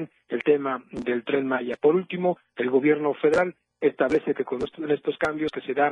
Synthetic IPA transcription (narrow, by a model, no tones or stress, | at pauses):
n | e̞lt̪e̞mad̪e̞lt̪ɾe̞nmaʝapo̞ɾult̪imo | elɣo̞βje̞ɾno̞fe̞ðeɾal | est̪aβle̞θeke̞ko̞nest̪oene̞st̪o̞skambjo̞ske̞se̞ða